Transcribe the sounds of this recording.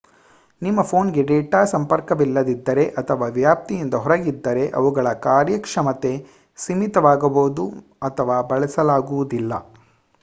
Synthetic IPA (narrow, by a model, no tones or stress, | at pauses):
nimːɐpʰoːnɡe̞ɖɛːʈaːsɐmpɐɾkɐʋilːɐd̪id̪ːɐɾe̞ʔɐt̪ʰɐʋaːʋjaːp̚t̪ijind̪ɐɦɔɾɐɡid̪ːɐɾe̞ʔɐ̰ʋuɡɐɭɐkaːɾjɐkʂɐmɐt̪e̞ | simit̪ɐʋaːɡɐboːud̪u | ɐt̪ʰɐʋaːbɐɭɛsɐlaːɡuʋud̪ilːɐ̰